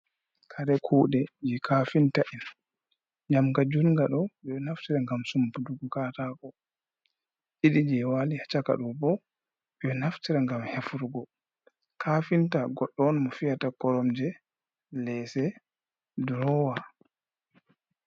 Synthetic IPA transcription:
kʰaɾɛkʰuːɗɛd͡ʒikʰafintaʔin | ɲamkad͡ʒunŋɡaɗɔɓɔnaftiɾaŋɡamsumpuduɡɔkaːtakɔ | ʔiɗid͡ʒɛwalihat͡ʃaka̰ɗumbɔ | ɓɛnaftiɾaŋɡamhefuɾɡɔ | kʰaːfintaɡɔɗːɔnmɔfijatakɔɾɔmd͡ʒɛ | lɛsɛ | dɾɔwa

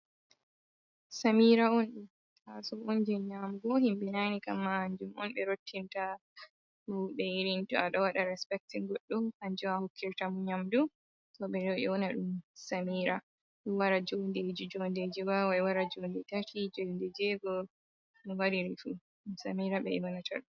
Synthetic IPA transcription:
samiɾaɔnɗum | asɔɔnd͡ʒɛɲamɡɔɦimɓɛnanikamːahaɲd͡ʒumɔnɓɛɾotʰːinta | huɓɛjiɾintɔaɗɔwaɗaɾɛspɛk̚tiŋɡɔɗːɔhaɲd͡ʒumahokʰːiɾtamuɲamdu | tɔɓɛɾɔɛ̰wɔnaɗumsamiːɾa | ɗumwaɾad͡ʒonded͡ʒid͡ʒonded͡ʒiwawajwaɾad͡ʒondɛtatid͡ʒondɛd͡ʒɛɡɔ | ɗiwaɾiɾifu | ɗumsamiɾaɓɛ̰ɛwanatʰa̰ɗu

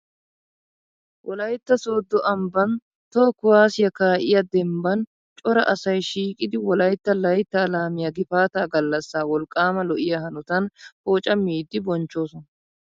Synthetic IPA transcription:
wʔɔlɐjt̪ːɐso̞ːd̪ːɔʔɐmbɐn | t̪oːkʊwaːsɪjɐkaːʔɪjɐd̪ɛmbɐn | t͡ʃʼɔɾɐʔɐsɐjʃiːkʼɪd̪ɪwɔlɐjt̪ːɐlɐjt̪ːɐːlaːmɪjɐɡɪfaːt̪aːɡɐlːɐsːaːwɔlkʼːaːmɐlɔʔɪjɐhɐnʊt̪ɐnhoːt͡ʃʼɐmːiːd̪ːɪbɔnt͡ʃːo̞ːsɔnɐ

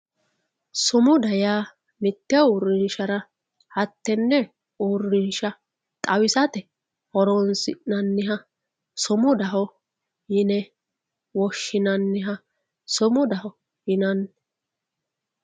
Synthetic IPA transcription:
sʊmʊd̪ɐjaː | mɪt̪ːɪaʊɾːɪnʃɐɾɐ | hɐt̪ːɛnːɛ | ʊrːɪnʃɐ | t̪ʼɐwɪsɐt̪ɛ | hɔɾɔnsɪ̰ʔnɐnːɪɦɐ | sʊmʊd̪ɐɦɔ | jɪnɛ | wɔʃːɪnɐnːɪɦɐ | sʊmʊd̪ɐɦɔ | hɪnɐnː

